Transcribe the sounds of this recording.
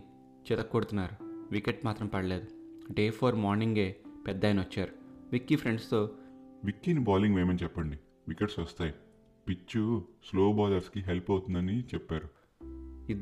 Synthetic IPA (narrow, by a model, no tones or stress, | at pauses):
t͡ʃɛt̪ɐkːoːɽut̪unːaːɾuʋikeʈmaːt̪ɾɐmpɐɽɐle̞ːd̪uɖeːpʰoːɾmaːɾniŋɡe̞ːpɛd̪ːaːjnʋɐt͡ʃːaːɾuʋikːipʰɾeɳɖst̪o̞ːʋikːinibaːliŋɡʋeːmɐnt͡ʃɛpːɐɳɖi | ʋikeʈsʋɐst̪aːji | pit͡ʃːusloːbaːdɐɾskiɦelpɐwt̪und̪ɐnit͡ʃɛpːaːɾu | i